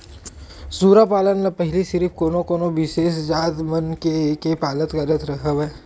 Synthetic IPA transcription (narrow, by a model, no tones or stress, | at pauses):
suːɾapaːlənnapɛɦɪlisɪɾɪfkoːnokoːnoʋɪʃeːsd͡ʒaːd̪mənkekepaːlət̪kɐɾət̪ɾɐɦəʋɛː